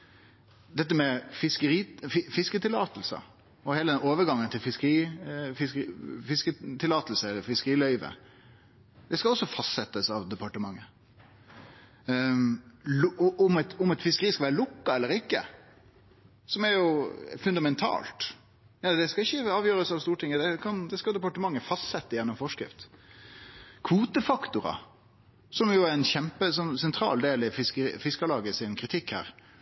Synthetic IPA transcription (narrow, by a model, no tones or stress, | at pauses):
d̪ɛt̪̬ːəmɛfɪskəɾiːfɪfɪskət̪ʰɪlɑːt̪əlsɑ̰ | ɔheːləd̪ɛnoːʋəɾɡɑŋːənt̪ʰɪlfɪskəɾiːfɪskəfɪskət̪ʰɪlɑːt̪əlsəɛlːəɾfɪskəɾiːlœʏʋə̰ | d̪ɛskɑlɔsːɔfɑst̪sɛt̪ːəsɑʋd̪ɛpɑʈəmɑŋːə | ʔʊmɛt̪ʊmɛt̪fɪskəɾiːskɑʋæːɾəlʊkːɑɛlːəɾɪkːə̰ | sɔmæɾjʊfʉnd̪ɑmɛnt̪ʰɑ̰ːlt̪ | jɑd̪ɛskɑɪçːəɑːʋjøːɾəsɑʋst̪uːʈʰɪŋːəd̪ɛkʰɑnd̪ɛskɑd̪ɛpɑʈəmɑŋːəfɑst̪sɛt̪ːəjɛnːɔmfɔʂkɾɪ̰ft̪ | kʰʋuːt̪əfɑkt̪ʊɾɑ̰ | sɔmjʊæɾɛnçɛmpəsɔmsɛnt̪ʰɾɑ̰ːld̪eːlɪfɪskəḭfɪskəlɑːɡəɪsɪnkʰɾɪt̪ʰɪkhæ̰ːɾ